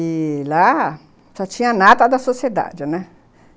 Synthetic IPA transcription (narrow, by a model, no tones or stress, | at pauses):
ila | sɔt͡ʃĩɲɐnat̪ɐd̪ɐsosied̪a̰d͡ʒɪnɛ